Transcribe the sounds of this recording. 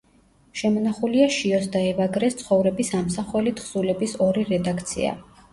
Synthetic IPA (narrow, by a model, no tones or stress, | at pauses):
ʃɛmɔnaχuliaʃiɔs̬d̪aɛvaɡɾɛst̪sʰχɔvɾɛbisamsaχwɛlit̪ʰχsulɛbisɔɾiɾɛd̪akʰt̪sʰḭa̰